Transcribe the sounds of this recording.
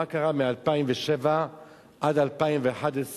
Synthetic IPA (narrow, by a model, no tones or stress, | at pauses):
akaʁamealpaimveʃeva | ʔad̪alpaimveaħad̪es